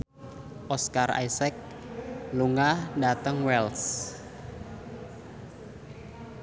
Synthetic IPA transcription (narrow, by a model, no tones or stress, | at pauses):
ʔɔskara̰jsɛk̚ | luŋandat̪əŋwɛls